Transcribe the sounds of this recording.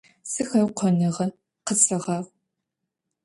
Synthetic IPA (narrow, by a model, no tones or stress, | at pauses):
sɨxɐwqʷʰɔnɨʁɐ | qət͡sʰɐʁɑːʁʷ